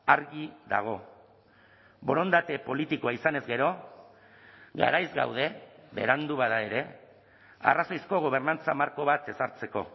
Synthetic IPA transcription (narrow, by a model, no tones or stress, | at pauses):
aɾɣiða̰ɣ̞o̞ | bo̞ɾo̞nd̪at̪e̞po̞lit̪ikoaisane̞zɡe̞ɾo̞ | ɣa̰ɾajzɡa̰wð̞e̞βe̞̰ɾand̪uβaðae̞ɾe̞ | a̰raso̞jsko̞ɣ̞o̞β̞e̞ɾnant͡samaɾko̞βat̪e̞saɾt͡se̞ko̞̰